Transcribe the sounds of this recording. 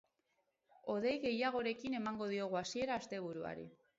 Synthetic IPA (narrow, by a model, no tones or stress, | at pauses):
o̞ðe̞jɣe̞jaɣ̞o̞ɾe̞kine̞maŋɡo̞ð̞io̞ɣuasie̞ɾaːst̪e̞β̞uɾua̰ɾḭ